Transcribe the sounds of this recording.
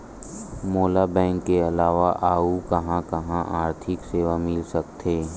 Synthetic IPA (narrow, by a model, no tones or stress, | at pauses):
moːlabɛ̃ːŋkːeɐlaːʋaʔaːukɐɦãkɐɦãʔaːɾt̪ʰɪkseːʋamɪlsɐk̚t̪ʰeː